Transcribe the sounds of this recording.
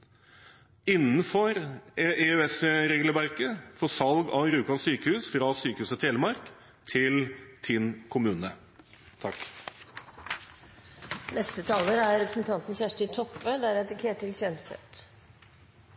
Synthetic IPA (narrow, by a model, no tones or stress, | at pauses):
ɪnːənfɔɾɛøɛsɾeːɡləʋæɾkəfoːsɑlɡɑʋɾʉːkɑnsyːkəhʉːsfɾɑsyːkəhʉːsət̪ʰeːləmɑɾk | t̪ʰɪlt̪ʰɪnkʰʊmʉːnə | t̪ʰɑk | nɛst̪ət̪ʰɑːləɾæɾɾɛpɾə̥sn̩t̪ʰɑnt̪n̩çæʂʈɪt̪ʰɔpːəd̪æɾɛt̪ɪkʰeːʈʰːɪlçɛnsɛ̰t̪